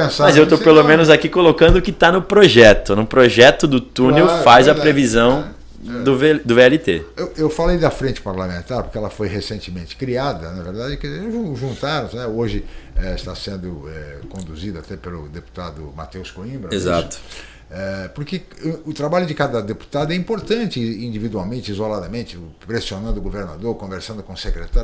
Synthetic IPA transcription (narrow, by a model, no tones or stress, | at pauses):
pẽsamɐzzewt̪opelomẽnʊzakikolokɐ̃nd̪ʊkɪt̪anʊpɾoʒɛt̪ʊnʊpɾoʒɛt̪ʊd̪ʊt̪ũnewfajzɐpɾevizɐ̃ | d̪ʊved̪ʊbeɛlit̪eewewfalejd̪ɐfɾẽnt͡ʃɪ̥paɾlamẽnt̪aɾpoɾkɪɛlɐfojɦesẽnt͡ʃɪmẽnt͡ʃɪ̥kɾiad̪ɐnɐveɾd̪ad͡ʒɪkɪʒũʒũnt̪aɾɐ̃znɛoʒɪɛist̪asẽnd̪ʊɛkõnd̪uzid̪ɐat̪ɛpelʊd̪epu̥t̪ad̪ʊ̰mat̪ewskoĩmbɾɐezat̪ʊ̥ | ɛpoɾkɪ | ʊt̪ɾabaʎʊd͡ʒɪkad̪ɐd̪epu̥t̪ad̪ʊɛĩpoɾt̪ɐ̃nt͡ʃɪĩnd͡ʒ̪ivid̪wawmẽnt͡ʃɪizolad̪ɐmẽnt͡ʃɪpɾesionɐ̃nd̪ʊɡoveɾna̰d̪oɾkõveɾsɐ̃nd̪ʊkõsekɾet̪aɾ